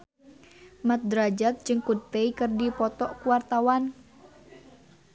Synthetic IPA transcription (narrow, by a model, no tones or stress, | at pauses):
mat̪̚d̪ɾad͡ʒat̪̚d͡ʒɨŋkut̪eikɨrdipɔt̪ɔʔkuwart̪awan